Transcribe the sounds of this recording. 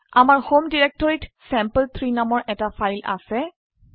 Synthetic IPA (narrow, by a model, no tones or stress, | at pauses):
amaɹhomdiɹɛk̚tɔɹitsɛmpəlt̪ʰɹinamɔɹʔɛtafʰajla̰sɛ